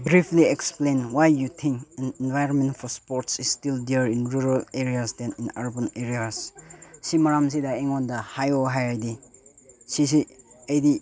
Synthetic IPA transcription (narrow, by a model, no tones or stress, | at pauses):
bɾipʰlieksplẽnwajjut̪ʰĩŋkɛ̃nenvajɾɔnmẽntfʰɔɾspɔɾtsisːtildiɾinɾuɾaleɾiasdɛ̃ninaɾbaneɾiassimaɾams̬idaeŋwɔndɐhajoɦajajdi | sis̬iəjdi